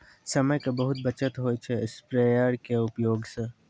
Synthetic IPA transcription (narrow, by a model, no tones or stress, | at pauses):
sɐməjkabɐɦʊt̪̚bɐt͡ʃət̪ɦoːjt͡ʃʰeɪspɾejəɾkeʊpjoːɡsẽ